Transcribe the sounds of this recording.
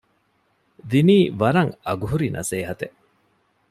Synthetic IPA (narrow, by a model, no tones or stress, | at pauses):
d̪iniːʋɐɾɐŋɐɡuɦuɾinɐ̰seːɦɐt̪e